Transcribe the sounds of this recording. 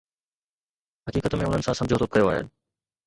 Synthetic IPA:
ɦɐkiːkət̪mẽʊn̤ənɪ̆sãsɐmd͡ʑʱot̪ʰokɐjoaːɦḛ

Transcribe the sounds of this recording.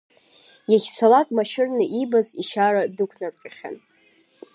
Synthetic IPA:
jaχʲsalakʼmaʃɪrnɨʔibaziʃaɾadɨkʷʰnarqʲʼaχʲa̰n

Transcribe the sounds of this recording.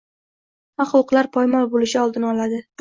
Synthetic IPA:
aχɒwqlˠaɾpʰɒjmɒlˠbolɪʃɪɒlˠd̪ɪnɪɒlad̪ɪ

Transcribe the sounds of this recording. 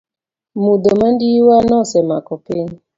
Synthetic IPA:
mud̪omandiwanɔsɛmakɔpɪɲ

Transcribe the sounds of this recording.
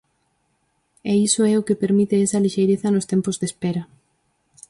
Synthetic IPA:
ɛisoɛʊkɪpeɾmit̪ɪɛsɐliʃejɾeθɐnʊst̪ɛmpozðespɛɾɐ

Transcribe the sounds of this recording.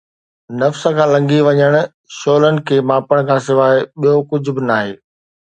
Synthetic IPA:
nɐfsə̆kʰãːlɐ̃ŋɡiʋɐɲəɽ̃ʊ̆ | ʃoːlənɪ̆kʰeːmaːpəɽ̃kʰãːsɪʋaːɪɓijokʊd͡ʑʱʊ̆bɪnaːɦeː

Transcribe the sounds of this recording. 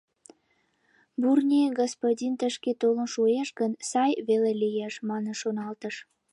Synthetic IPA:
burnʲiɡospodʲint̪əʃket̪olənʃueʃɡənsɑjβelelijeʃmɑnənʃonɑlt̪əʃ

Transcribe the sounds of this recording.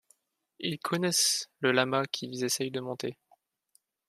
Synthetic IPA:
ilkʰɔnɛsləlamakʲʰilezesɛjd̪əmɔ̃t̪e

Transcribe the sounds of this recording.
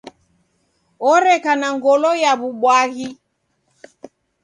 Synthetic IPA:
ɔɾɛkanaŋɡɔlɔjaβuɓwaɣi

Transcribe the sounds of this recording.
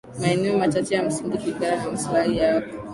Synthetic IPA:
maɛnɛɔmat͡ʃat͡ʃɛjam̩siŋɡikiɡaɾakamaslahijakɔ

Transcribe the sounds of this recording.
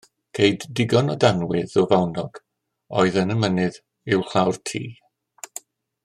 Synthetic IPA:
kʰejdːɪɡɔnɔdanwɪðɔvawnɔɡ̥ | ɔɨðənəmənɨð | ɪwɬawrtʰḭː

